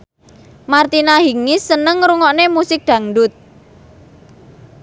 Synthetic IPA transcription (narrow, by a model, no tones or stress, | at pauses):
mart̪inaɦiŋisənəŋɾuŋɔʔnemusɪk̚d̪̥a̤ŋɖʊt̪̚